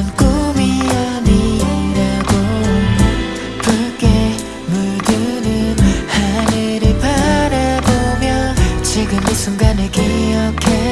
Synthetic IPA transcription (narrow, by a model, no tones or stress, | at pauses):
nkomiʌnindaɡo | kɯke | mudɯnɯnhanɯɾepaɾabomjʌt͡ɕiɡɯmesuŋɡaneɡejʌkʰe